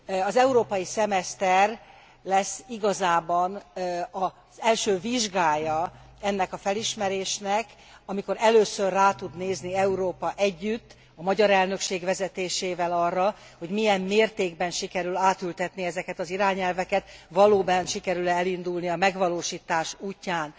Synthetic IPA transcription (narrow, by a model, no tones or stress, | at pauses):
ɒzɛuɾoːpɒjisɛmɛst̪ɛr | lɛsːiɡɒzaːbɒnɒ | z̥ɛlʃøːviʒɡaːjɒ | ɛnːɛkɒfɛliʃmɛɾeːʃnɛk | ɒmiko̞ɾɛløːsørːaːt̪ud̪neːzniɛuɾoːpɒʔɛɟːyt̪ː | ɒmɒɟɒɾɛlnø̞kʃeːɡʋɛzɛt̪eːʃeːvɛlɒrːɒ | ho̞ɟmijɛmːeːrt̪eːɡbɛnʃikɛɾylaːt̪ylt̪ɛt̪niɛzɛkɛt̪ɒziɾaːɲɛlvɛkɛt̪vɒloːbɛnʃikɛɾylɛɛlind̪ulniɒmɛɡʋɒloːʃiːt̪aːʃuːcːaːn